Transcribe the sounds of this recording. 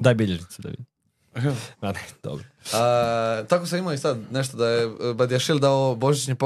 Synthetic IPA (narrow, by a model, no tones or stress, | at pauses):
d̪aːjbiʎeʒnit̪sud̪a̰ʋḭd̪ | anɛd̪̥o̰bɾoat̪akosaimoisad̪neʃt̪od̪ajebad̪iaʃild̪aoboʒit͡ɕɲipo